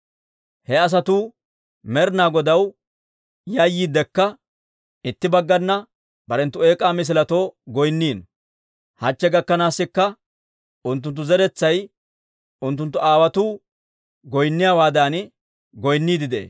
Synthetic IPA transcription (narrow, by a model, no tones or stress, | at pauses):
hɛɐs̬ɐt̪uː | mɛɾnaːɡɔd̪ɐw | jɐjːiːd̪ɛkːɐ | ɪt̪ːɪbɐɡːɐnːɐ | bɐɾɛnt̪ːʊe̞ːkʼaːmɪs̬ɪlɐt̪oːɡɔjnːiːn | hɐt͡ʃːɛɡɐkːɐnaːsːɪkːɐ | ʔʊnt̪ːʊnt̪̬ːʊzɛɾɛt͡sːɐj | ʊnt̪̬ːʊnt̪ːʊʔaːwɐt̪uː | ɡɔjnːɪjaːwaːd̪aːn | ɡɔjnːiːd̪ɪd̪ḛː